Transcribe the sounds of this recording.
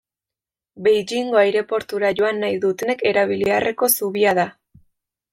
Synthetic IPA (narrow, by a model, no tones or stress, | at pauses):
bejd͡ʒiŋɡo̞ajɾe̞po̞ɾt̪uɾaʝo̞anːajðut̪e̞ne̞ke̞ɾaβ̞iliarʔe̞ko̞suβiað̞a